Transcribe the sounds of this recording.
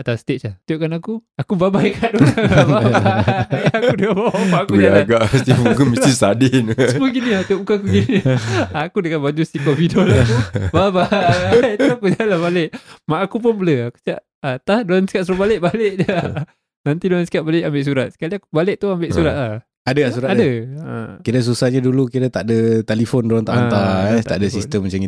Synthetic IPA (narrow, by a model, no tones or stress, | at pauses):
at̪ast̪eaht̪oʔkanakuakubabajkadoaaabajakudəkababamaʔakud͡ʒaalɡaʔst̪ifkumitisadɪnsmuɡiniat̪oʔbukakuɡiniiakudəkanbad͡ʒusikofidolatubaba | t̪uakud͡ʒalabaleʔmaʔːkupʊnbələaku̥skaʔ | at̪adoansə̥ikaʔ̚səɾobalɪʔ̚baleʔəa | nant̪idoansi̥kaʔbalɪʔambɪʔsuɾat̪̚sə̥kaliakubalɪʔ̚t̪uambɪʔsuɾat̪̚lah | adəasuɾatadəə̰kiɾas̬usahɲadulukiɾat̪aʔdət̪elifɔndoant̪aʔanat̪a̰ʔdəsist̪əmːət͡ʃami